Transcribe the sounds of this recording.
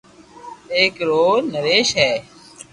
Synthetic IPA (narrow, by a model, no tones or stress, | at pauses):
eːkɾoːnəɾeːʃɦɛː